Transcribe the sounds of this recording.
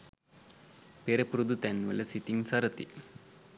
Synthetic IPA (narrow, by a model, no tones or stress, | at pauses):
peɾɐpɾud̪ut̪ɐnʋɐ̰lɐsit̪iŋsɐɾɐt̪i